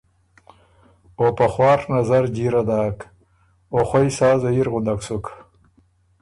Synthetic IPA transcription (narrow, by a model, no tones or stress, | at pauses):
opaχwɑːɾnazaɾd͡ʒiɾad̪ɑːk | oχwajsɑːzaiɾʁʊnd̪aksuk